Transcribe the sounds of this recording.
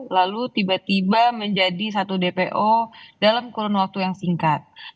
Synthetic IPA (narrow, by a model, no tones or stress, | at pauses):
lalut̪ibat̪ibaməɲd͡ʒadis̬at̪udepeʔodalamkuɾɔnwak̚t̪ujaŋsiŋkat̪̚